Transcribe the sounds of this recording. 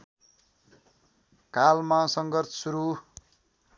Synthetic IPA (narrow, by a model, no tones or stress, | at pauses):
kalmasʌŋɡʌrt̪ʰsuɾu